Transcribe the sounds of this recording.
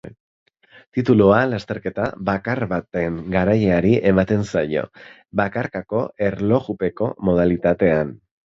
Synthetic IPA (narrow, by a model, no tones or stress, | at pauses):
t̪it̪ulualast̪e̞ɾke̞t̪aβakaɾβat̪e̞ŋɡaɾajeaɾiʔe̞mat̪e̞nsajo̞̰ | βakaɾkako̞ʔe̞ɾlo̞ɣupe̞ko̞mo̞ð̞alit̪at̪e̞an